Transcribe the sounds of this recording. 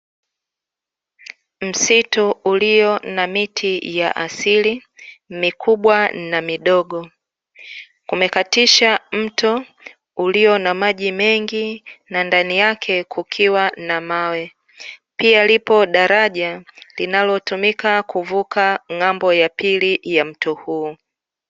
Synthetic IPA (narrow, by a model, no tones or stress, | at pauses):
m̩situuliɔnamitʰijaʔasilimikʰuɓwanamiɗɔɠɔ | kumɛkatiʃam̩tɔ | uliɔnamaʄimɛŋɡinandanijakʰɛkʰukʰiwanamawɛ | pialipɔɗaɾaʄalinalɔtumikakuvukʰaŋambɔjapilijam̩tɔhuː